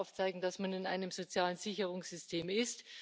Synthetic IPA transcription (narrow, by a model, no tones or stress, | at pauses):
ʊft͡saɪɡŋ̩d̥asmanɪna̰ɪnəmzot͡sjaːlənzɪçəʁʊŋsz̥ʏstʰeːmɪst